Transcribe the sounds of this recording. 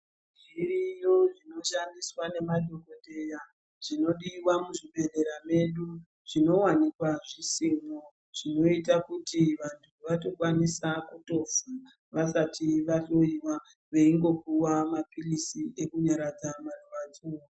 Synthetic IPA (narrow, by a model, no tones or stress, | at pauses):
d͡ʒirijo̞ʐino̞ʃandiswane̞maɗʱo̞ko̞te̞ja | ʐ̥ino̞ɗiwamuʐiɓe̞nde̞ɾame̞ɗu | ʐ̥ino̞wanikwaʐisimo | ʐ̥ino̞itakutiʋantʰuʋato̞kwanisakuto̞fa | ʋasatiʋato̞iwa | ʋe̞iŋɡo̞p̚uwamapilisiekuɲaɾad͡zamaruʋad͡zu